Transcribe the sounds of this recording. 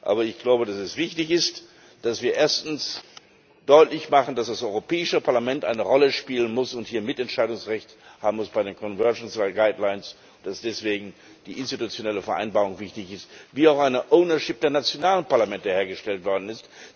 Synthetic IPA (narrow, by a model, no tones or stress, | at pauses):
ʔa̰ːbɐɪçɡ̥laʊbədasɛsv̥ɪçtɪçɪst | d̥asv̥iːɐʔeːɐstn̩s | d̥ɔʏtlɪçmaχn̩d̥asd̥asɔʏʁopʰɛːɪʃəpʰaɐlamɛntʔa̰ɪnəʁɔləʃpiːlənmʊsʊnthiːɐmɪtɛntʃaɪdʊŋsʁɛçthaːbm̩mʊsb̥aɪdeːnkʰɔnvɛɐʒn̩saɡaɪdlaɪns | ʊntd̥asd̥ɛsv̥eːɡŋ̩ | d̥iːʔɪnstitut͡sjonɛləfɛɐʔa̰ɪnbaːʁʊŋvɪçtɪçɪstviːaʊxʔaɪnəʔoʊnɐʃɪp̚d̥eːɐnat͡sjonaːlənpaɐlamɛntəheːɐɡəʃtɛltv̥ɔɐdn̩ɪst